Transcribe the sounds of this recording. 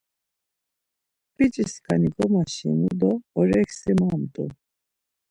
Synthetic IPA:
b̥it͡ʃʼiskʰaniɡʼɔmaʃḭnud̪ɔːɾɛksimamd̪ṵ

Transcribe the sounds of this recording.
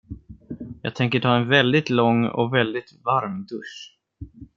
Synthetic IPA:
jɑ̰ːt̪ʰɛŋkəʈʰɑːɛnvɛld̪ɪt̪lɔŋːɔ̰kvɛld̪ɪt̪vaɾmd̪ɵʂ

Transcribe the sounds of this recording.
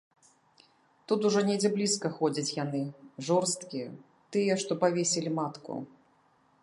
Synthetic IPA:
t̪ut̪uʐɔnʲed͡zʲɛblʲiskɐxɔd͡zʲɐt͡sʲjanɨʐɔrst̪kʲiɛ | t̪ɨjɛʂt̪ɔpavʲesʲɛlʲimat̪kṵ

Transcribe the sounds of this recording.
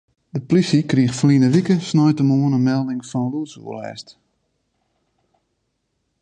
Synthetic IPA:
dəplisikriəxflinəʋikəsnɔjtəmoənənmɛlˠdɪŋfɔnluəsṵːəlɛ̰ːst

